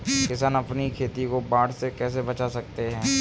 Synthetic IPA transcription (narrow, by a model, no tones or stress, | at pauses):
kɪsaːnɐpnikʰeːt̪ikobaːɽsekɛːs̬ebɐt͡ʃasɐk̚t̪eɦɛ̃ː